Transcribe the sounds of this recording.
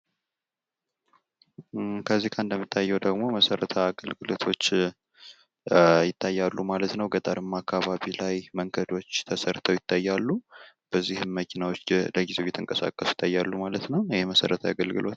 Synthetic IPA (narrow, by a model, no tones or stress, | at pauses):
kʰəzːihkʰand̪əmːit̪ʰːajːɛwd̪əɡmo̞məsəɾət̪ʰəaɡəlɡɨlo̞t̪ʰo̞t͡ʃː | jɪt̪ʰːajːalːumalət̪nəwɡət̪ʼəɾɨmːakʰːaβaβilajməŋɡəd̪o̞t͡ʃːt̪ʰəsəɾt̪ʰəwjɪt̪ʰːajːalːu | b̥əzːihɨmːəkʰinawo̞t͡ʃːləɡize̞wjɛt̪ʰɨŋkʼəsa̰kʼːəsujɪ̥t̪ʰːajːalːumalət̪nəwjɪheməsə̰ɾət̪ʰəja̰ɡəlɡɨ̰lʔo̞t̪